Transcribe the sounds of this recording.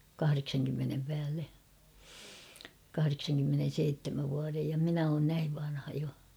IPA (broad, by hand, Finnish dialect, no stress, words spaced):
kɑhɑreksɑŋkymːenem pæːlːe kɑhɑreksɑŋkymːenen̞seitːemæʋ ʋuɑrej jɑ minæ oːn næiʋ ʋɑnhɑ jo